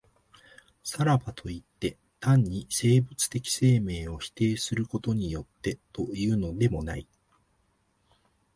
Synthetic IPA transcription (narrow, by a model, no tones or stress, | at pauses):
saɾabat̪ʰo̞it̪ːe̞ | t̪ãɲ̟ːise̞ːbɯ̟t͡sɨ̥t̪e̞kʲi̥se̞ːme̞ːo̞çi̥t̪e̞ːsɨɾɯ̟ko̞t̪o̞ɲ̟ijo̞t̪ːe̞t̪o̞ijɯ̟ːno̞d̪e̞mo̞na̰i